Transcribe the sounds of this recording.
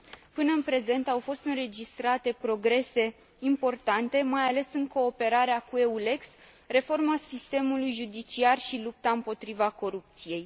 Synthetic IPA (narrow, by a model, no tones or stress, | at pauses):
pɨnəɨnpɾe̞ze̞nt̪awfo̞st̪ɨnre̞d͡ʒist̪ɾat̪e̞pɾo̞ɡɾe̞se̞ | impo̞rt̪ant̪e̞majale̞sɨŋko̞ːpe̞ɾaɾeakue̞ule̞ks | re̞fo̞rmasist̪e̞mulujʒud̪it͡ʃiarʃilup̚t̪aɨmpo̞t̪ɾivako̞ɾup̚t̪sije̞j